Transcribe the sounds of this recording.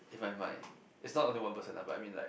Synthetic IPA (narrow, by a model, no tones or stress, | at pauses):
ɪvmaɪmã̰ɪ̃n | ɪtsnɔtõnliwãnpəsə̃naba̰a̰jmĩnla̰ɪ